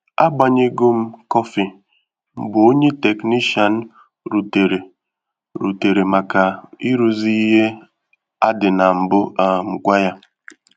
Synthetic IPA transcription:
a̰˦ɡ͡ba˨ɲe˦ɡo˦m̩˦kɔ˦fi˨ | m̩˦bʊ˨o˦ɲe˦te˨kni˦ʃa˨n̩˦ | ɾu˨te˨ɾe˨ | ɾṵ˨te˨ɾe˨ma˨ka˨i˦ɾu˨zi˦i˦ɦe˦ | a˦dɪ˨na˨m̩˨bʊ˦a˨m̩˨ɡʷa˦ja˦

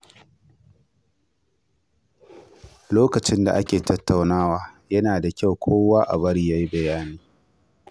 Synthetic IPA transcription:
loː˦kɐ˨t͡ʃɪ˦nda̰˨ʔa˦kʲeː˨tʰɐ˦tːa˨wnaː˦waː˨jɐ˦naː˨da˨kʲa˦˨wkʷʰoː˦waː˦ʔa̰˨bɐ˦ɽi˦jaː˦ji˦bɐ˨jaː˦niː˦

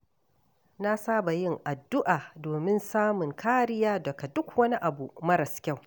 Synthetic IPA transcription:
na˦saː˦ba˨jɪ˦˨ŋʔa˨dːʊ˦ʔaː˨doː˨mɪ˦nsaː˦mʊ˨ŋkʰaː˦ɾɪ˦jaː˦dɐ˨ka˨dʊ˦kwɐ˦ni˦ʔa˨bu˨mɐ˦ɾɐ˨skʲa˦˨w

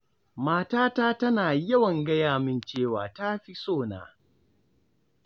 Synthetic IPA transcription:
maː˦taː˦taː˦tɐ˦naː˨jɐ˦wɐ˨ŋɡɐ˦jaː˨mɪ˦˨nt͡ʃeː˦˨waː˨ta˦ɸi˦soː˦˨na̰ː˨

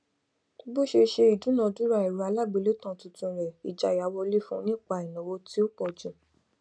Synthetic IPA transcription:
bo˦˨ʃe˧ʃe˧i˨du˨˦nã˧˨du˨˦ɾa˦˨i˨ɾu˨˦a˧la˦˨ɡ͡be˨˧le˦tã˦˨tũ˧tũ˧ɾɛ˨i˨d͡ʒa˨ja˨˧wɔ˧le˦fũ˦˧˦nĩ˦˨k͡pa˧i˨nã˨wo˧˦ti˦o˦k͡pɔ˨d͡ʒũ˨

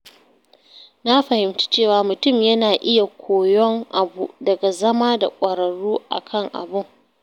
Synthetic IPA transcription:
na˦ɸɐ˨hɪ˨mt͡ʃi̥˦t͡ʃeː˦˨waː˨mʊ˨tʊ˦˨mjɐ˦naː˨ʔɪ˦ja˨kʷʰoː˨jɔ˦ŋʔa˨bṵ˨dɐ˨ɡa˨zɐ˦maː˦da̰˨kʷʼɐ˨ɾɐ˨ɽuː˦ʔa̰˨kʰɐ˦˨ŋʔa̰˨bʊ˦ŋ

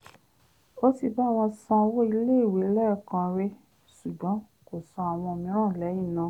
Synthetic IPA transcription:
o˦ti˧˨ba˦˨w̃ɔ̃˧sã˧wo˦i˧le˦˨wi˨˦lɛ˦˨kã˧ɾe˦ | ʃu˨ɡ͡bɔ̃˨˦ | ko˨sã˧a˨w̃ɔ̃˧o˧mĩ˧˦ɾ̃ã˦˨lɛ˨˦jĩ˦˨nã˨˦

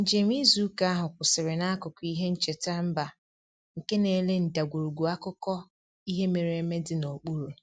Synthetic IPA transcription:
n̩˨d͡ʒe˨mʷ˦i˦zu˦ka˦a˦ɦʊ˨kʷʊ˨sɪ˨ɾɪ˨na˦a˦kʊ˨kʊ˦i˦ɦe˦n̩˦t͡ʃe˨ta˦m̩˦ba˨ | ŋ̩˨ke˦ne˨le˦n̩˨da˨ɡʷu˨ɾu˨ɡʷu˨a˦kʊ˦kɔ˦ | i˦ɦe˦me˨ɾe˨e˦me˦dɪ˨no˨k͡pu˦ɾu˨

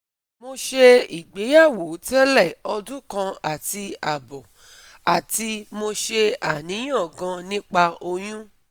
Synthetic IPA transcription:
mo˧ʃe˧i˨ɡ͡be˨˦ja˦˨wo˨˦tɛ˦lɛ˦˨ɔ˧dũ˦kã˧a˨ti˧a˨bɔ˨ | a˨ti˧mo˧ʃe˧a˨nĩ˨˦j̃ã˦˨ɡã˧nĩ˦k͡pa˧o˧j̃ũ˦

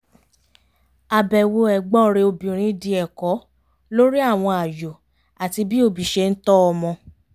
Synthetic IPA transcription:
a˨bɛ˨wo˧ɛ˨ɡ͡bɔ˦ɾe˧o˧bĩ˨ɾ̃ĩ˧˦di˧ɛ˨kɔ˨˦ | lo˦ɾi˦a˦˨w̃ɔ̃˧a˨jo˨ | a˨ti˧bi˦o˧bi˨ʃe˧n̩˦tɔ˦ɔ˧mɔ̃˧

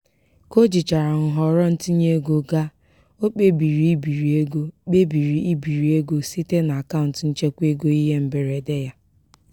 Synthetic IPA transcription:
ko˦d͡ʒi˨t͡ʃa˨ɾa˨ŋ̩˨ɦɔ˨ɾɔ˦n̩˦ti˦ɲe˦ɡo˨ɡa˦ | o˦k͡pe˦bi˨ɾi˨i˦bi˨ɾi˨e˦ɡo˦k͡pe˦bi˨ɾi˨i˦bi˨ɾi˨e˦ɡo˦si˦te˦na˨a˨ka˦ʊ˨n˨tn̩˦t͡ʃe˦kʷe˦ɡo˦i˦ɦe˦m̩˨be˨ɾe˨de˦ja˦

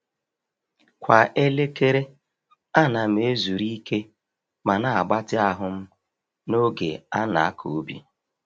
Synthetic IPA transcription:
kʷa˨ʔe˦le˦ke˦ɾe˦ | a˦na˨m̩˦e˦zu˨ɾi˦i˦ke˦ | ma˨na˨a˨ɡ͡ba˦tɪ˦a˦ɦʊ˦m̩˦ | no˦ɡḛ˨a˦na̰˨a˦kʰo˨˦bi˦

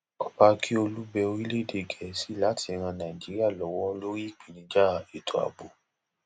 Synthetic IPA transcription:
ɔ˦˨ba˧kʰi˦o˧lu˦bɛ˧o˧ɾi˦le˦˨de˨ɡɛ˨si˨˦la˦tʰi˧ɛ˧ɾ̃ã˧nã˨ĩ˨d͡ʒi˨˦ɾi˦a˦˨lɔ˨˦wɔ˦˧lo˦ɾi˦˨k͡pĩ˨nĩ˨˦d͡ʒa˦˨e˨tʰo˨a̰˨bo˨

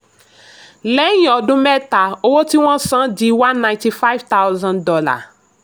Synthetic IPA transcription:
lɛ˦j̃ɔ˨dʊ̃˦mɛ˦t̪a˨o˦wo˦ti˦w̃ɔ̃˦sã˦d͡ʒi˨˦wã˦nːã˨j̃ti˨fa˦vt̪a˦wzã˦ndɔ˦la̰˨

